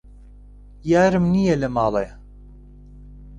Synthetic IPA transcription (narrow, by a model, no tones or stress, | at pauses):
jaːɾɨmnijelɨmɑːle